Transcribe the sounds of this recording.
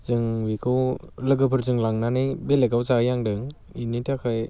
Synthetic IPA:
zɯŋbikʰɯwlɯɡɯpʰɯɾzɯŋlaŋnanɯjbeleɡawzajaŋdɯŋ | initʰakʰaj

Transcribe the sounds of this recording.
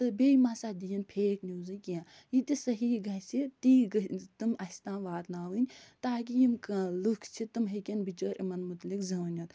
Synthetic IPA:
t̪ɨbeːimaːsaːd̪ijɐnpʰeːʈnʲjuːzɨkijãː | jit̪isɐɦiɡɐɦsit̪iːɡɐt̪ɨmɐsʲt̪ãːnʋaːt̪naːʋɨnʲt̪aːk̬ijimkɐlukʰt͡ʃʰit̪ɨmɦɐkʲɐnbit͡ʃəːɾʔimɐnmut̪likzɐnʲɐt̪

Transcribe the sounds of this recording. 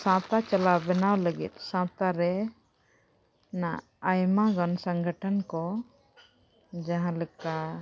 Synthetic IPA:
sãt̪at͡ʃəlabɛnawləɡḭt̪̚sãt̪aɾɛ | naː | jmaɡɔnsə̃ŋɡʱəʈʰənkɔ | d͡ʒãɦãlɛka

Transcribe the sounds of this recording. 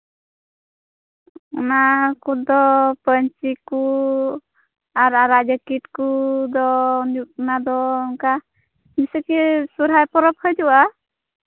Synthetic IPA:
ɔnakud̪ɔpəɲt͡ʃiku | aɾaɾaʔd͡ʒakiʈkud̪ɔnuk̚nad̪ɔŋka | misəkisuɾɦajpɔɾɔp̚həjd͡ʒuʔa

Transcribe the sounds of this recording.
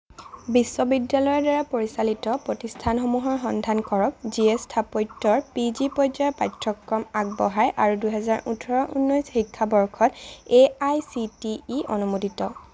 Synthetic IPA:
bisːɔbidːalɔjɔɹdaɹapoɹisalitɔpɹotistʰanxomuɦɔɹɦɔndʱankɔɹɔk̚ziestʰapɔjtːɔɹpizipɔjzɔpajtʰɹɔkɹɔmak̚bɔɦajʔaɹuduɦɛzaɹʔutʰɔɹɔʔṵnːɔjsxikʰːabɔɹkʰɔteajsitiːɔ̰numoditɔ

